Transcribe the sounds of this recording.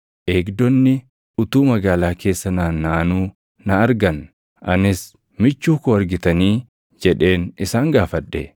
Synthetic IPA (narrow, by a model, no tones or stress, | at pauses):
ʔe̞ːɡd̪ɔnːɪ | ʊt̪uːmɐɡaːlaːke̞ːsːɐnaːnːaːnuː | nɐɐɾɡɐn | ʔɐ̰nɪs | mɪt͡ʃːuːkʊɐɾɡɪt̪ɐniː | d͡ʒɛᶑe̞ːnɪsaːŋɡaːfɐᶑːe